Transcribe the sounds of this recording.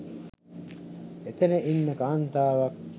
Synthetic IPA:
et̪eneʔinːekaːnt̪aːʋɑk

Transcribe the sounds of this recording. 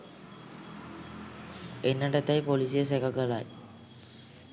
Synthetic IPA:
enːəʈət̪ajpolisijəsekakəlaj

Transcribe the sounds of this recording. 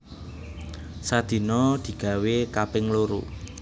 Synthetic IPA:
sad̪̥i̤nɔd̪̥i̤ɡ̥a̤wekapɪŋloɾṵ

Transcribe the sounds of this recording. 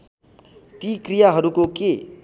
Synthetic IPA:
t̪ikrijaɦʌɾukoke

